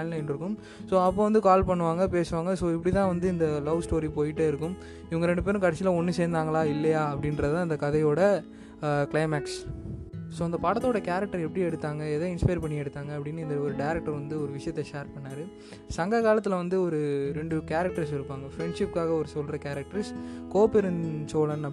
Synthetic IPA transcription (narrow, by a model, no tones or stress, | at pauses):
anlɐɪnɾɯkːɯm | soːɐpːõːʋɐnd̪ɯkaːlpɐɳːɯʋaːŋɡɐp̬eːsɯʋaːŋɡɐsoːɪpːɐɽit̪ãːʋɐnd̪ɯɪnd̪ɐlɐʋsʈoːɾipoːjɪʈːeɪɾɯkːɯm | ɪʋɐŋɡɐɾɛɳɖɯp̬eːɾɯ̃kɐɽɐsɪlɐɔnːɯseːɾnd̪aːŋɡɐɭaːɪlːɐjaːɐpːɐɽɪnɾɐðtãːɪnd̪ɐkɐðɐjoːɽɐ | klɐɪmaːks | soːɐnd̪ɐpaːɽɐt̪ːoːɽɐkaːɾɐk̚ʈɐɾɛpːɐɽiɛɽɯt̪ːaːŋɡɐeðɐ̃ːɪnspɐjɾpɐɳːɪɛɽɯt̪ːaːŋɡɐːpːɐɽɪnːɯɪnd̪ɐɔɾɯɖɐɪɾɐk̚ʈːɐɾʋɐnd̪ɯɔɾɯʋɪʂɐjɐt̪ːɛʃeːɾpɐɳːaːɾɯ | sɐŋɡɐɣaːlɐt̪ːɯlʋɐnd̪ɯɔɾɯɾɛɳɖɯkaːɾɐk̚ʈɐɾsɪɾɯpːaːŋɡɐfɾɛɳɖʂɪp̚kaːɣɐɔɾɯsɔlɾɐkaːɾɐk̚ʈɐɾskoːpɛɾɯnsoːlɐnɐ